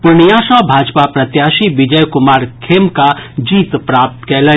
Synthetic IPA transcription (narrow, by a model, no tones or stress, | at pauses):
pʊɾɳijaːʃabʱaːd͡ʒpapɾɐt̪jaːʃibɪd͡ʒəjkʊmaːɾkʰeːmkad͡ʒiːt̪pɾaːp̚t̪kɛːlə